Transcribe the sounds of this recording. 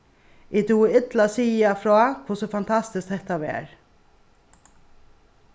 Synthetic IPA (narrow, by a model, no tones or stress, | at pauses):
ʔɪd̪uːɪd̪lasiːafɾoːkʰʊsɔfant̪ʰɑst̪ɪskthɛht̪aʋḛːɾ